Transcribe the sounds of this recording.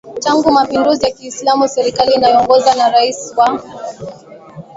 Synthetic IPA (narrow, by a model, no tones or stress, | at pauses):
taŋɡumapinduzijakiːslamusɛɾikaliːnajɔŋɡɔzanaɾaiswa